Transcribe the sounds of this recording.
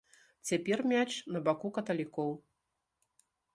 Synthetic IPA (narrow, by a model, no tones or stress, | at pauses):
t͡sʲapʲɛrmʲat͡ʂnɐbakukɐt̪ɐlʲikɔw